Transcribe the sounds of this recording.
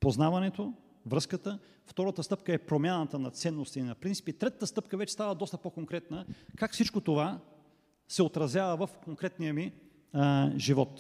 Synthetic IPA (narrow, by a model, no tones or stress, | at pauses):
poznavɐnɛt̪o | vɾɤskət̪ə | ft̪ɔɾət̪əst̪ɤp̚kəɛpɾomjanət̪ənɐt̪sɛnːost̪inɐpɾintsi̥pit̪ɾɛt̪ət̪əst̪ɤp̚kəvɛt͡ʃɛst̪avəd̪ɔst̪əpokoŋkɾɛt̪nəkakfsit͡ʃkot̪ova | sɛot̪ɾɐzʲjavəvəfkoŋkɾɛt̪nijəmi | ʒivɔt̪